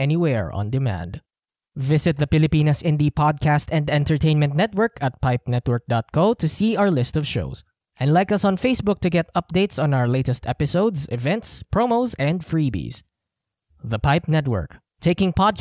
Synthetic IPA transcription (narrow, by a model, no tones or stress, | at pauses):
ɛniwɛɹɔ̰̃nd̪ɪmæ̰̃nd̪ | vɪsɪt̪̚ðəfɪlɪpĩnəsɪ̃nd̪ipʰɑd̪̚kʰæst̪ɛ̃nd̪ɛ̃nt̪əɹt̪ʰẽɪ̃nmɛ̃nt̪̚nɛt̪̚wə˞kʰæt̪̚paɪp̚nɛt̪wə˞k̚d̥̪ɑt̪̚kʰoʊt̪usiːawə˞lɪst̪ɔvʃo̰ʊs | ʔɛ̃ndlaɪkʌsɔ̃nfeɪsbʊk̚t̪ɨɡɛt̪ʌp̚d̪eɪtsɔ̃naʊə˞leɪtɛst̪ʰɛpɪsoʊdsɪvɛ̃nt̪spʰɹomoʊsɛ̃nd̪fɹibḭs | ðəpaɪpnɛt̪wə̰˞k | t̪ʰeɪkɪ̃ŋpɑd̚